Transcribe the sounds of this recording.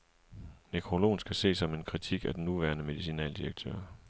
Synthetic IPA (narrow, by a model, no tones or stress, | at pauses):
nekʰʁo̝lo̝̰ːnsɡ̥æse̝̰ːsɒ̽me̝nkʰʁit͡sʰiɡ̥æd̥enːuʋæɐnəme̝ðˠisinɛ̰ːld̥iʁɐɡ̥̚t͡sʰø̰ɐ̰